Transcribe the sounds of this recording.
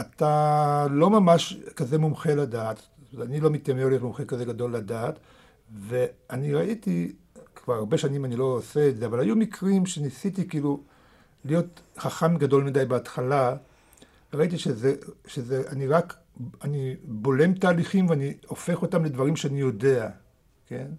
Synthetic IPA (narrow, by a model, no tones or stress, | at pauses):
atalo̞mamaʃkaze̞mumχeladaːt̪ | anilo̞mit̪amevoljtmumχekaze̞ɡado̞lːadaːt | ve̞aniʁaiti | kvaʁaʁbe̞ʃanimanilo̞ːseetzeavalajumikʁimʃe̞nisit̬ikiiːlu | lijo̞tχaχamɡado̞lmidajbeat̪χala | ʁait̬iʃezeʃezeʔaniʁak | anibo̞le̞mt̪aːliχimveanio̞fe̞χo̞tamle̞dvaʁimʃeanijo̞de̞a | ke̞̰n